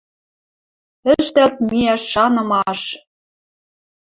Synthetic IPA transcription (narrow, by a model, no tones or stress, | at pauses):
ɘ̆ʃt̪ælt̪̚miæʃːɑnɤ̆mɑʃ